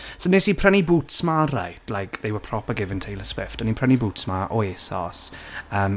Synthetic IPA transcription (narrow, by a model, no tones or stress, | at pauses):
sənesipʰrɛnibuːtsmara̰jtlajkʰðewəpʰrɔpəɡɪvəntʰejləswɪftənipʰr̥ɛnibuːtsmaʔɔeːsɔ̰səːm